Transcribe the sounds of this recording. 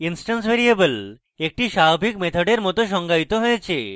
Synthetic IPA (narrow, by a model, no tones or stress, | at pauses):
insʈansbʱeɾiebəl | ek̚ʈiʃaɦobʱikmet̪ʰoɖeɾmɔt̪oʃ̬ɔŋɡait̪oɦojet͡ɕʰe